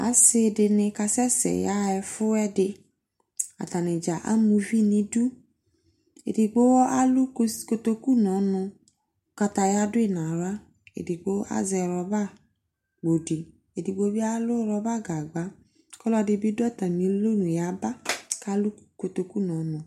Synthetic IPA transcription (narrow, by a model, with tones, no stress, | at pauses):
a̰˨˦sɪ˦dɪ˧nɪ̃˧ka˧sɛ˦sɛ̰˨ja˦ɛ˧fʊ˦ɛ˦dɪ˧ | a̰˨ta˨nɪ̃˨d͡ʒa˨ʔa̰˦mũ˧vi˦nĩ˦du˦ | ḛ˨di˨ɡ͡bo˦wɔ˦a˦lu˦ko˧t̪o˧ku˦nɔ˨˦nʊ̃˧ | ka˧ta˧ja˦dʊ˦e˦nã˨ɾa˦ | ḛ˨di˨ɡ͡bo˦a̰˦zɛ˧ɾɔ˧ba˦ | ɡ͡bo˨di˨ | e˨di˨ɡ͡bo˦bi˦a˦lʊ˦ɾɔ˧ba˦˨ɡa˨ɡ͡ba˨˦ | kɔ˦lɔ˧dɪ˧bi˦dɔ˦˨ta˨mĩ˨˦lo˦nũ˨ja˨˦ba˦ka˦lu˦ko˨˧t̪o˧ku˦nɔ̃˨˦nʊ̃˨